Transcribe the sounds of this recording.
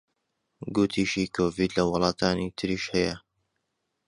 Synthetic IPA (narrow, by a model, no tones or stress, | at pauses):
ɡʊt̪ʰiʃiːkʰoːviːd̪lɐwɑlˠɑːt̪ʰaːnit̪ʰɨɾiʃhɐjɐ